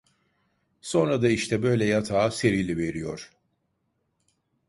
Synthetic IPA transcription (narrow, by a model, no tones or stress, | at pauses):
so̞nɾad̪aiʃt̪ʰɛbø̞jlʲɛjat̪ʰaːse̞ɾilʲive̞ɾijo̞̰ɾ̥